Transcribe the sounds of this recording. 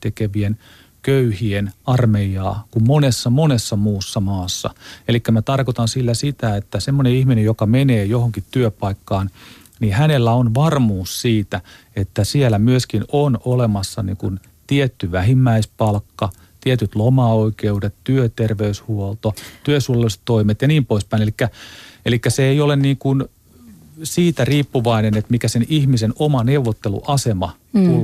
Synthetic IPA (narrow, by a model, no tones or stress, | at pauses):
t̪ekeʋien | køyhienɑrmejɑ̰ːkummonesːɑmonesːɑmuːsːɑmɑːsːɑ̰elikːæmæt̪ɑrkot̪ɑnsilːæsit̪æet̪ːæsemːoneihminejokɑmeneːjohoŋkit̪t̪yøpɑikːɑːn | nihænelːæonʋɑrmuːssiːt̪æ | et̪ːæsielæmyøskinonolemɑsːɑnḭːŋkun | t̪iet̪ːyʋæhimːæispɑlkːɑ | t̪iet̪yt̪lomɑoikeudet̪t̪yøt̪erʋeyshuolt̪ot̪yøsulɑlise̥t̪toimet̪jɑniːmpoispæinelikːæelikːæseeiolenniːŋkun | siːt̪æriːpːuʋɑinenet̪mikæsenihmisenomɑneuʋːot̪ːelṵʔɑsemɑ | t̪u